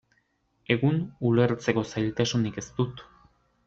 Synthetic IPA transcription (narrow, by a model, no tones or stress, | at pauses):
e̞ɣunule̞ɾt͡se̞ko̞sajlt̪asunike̞st̪ut̪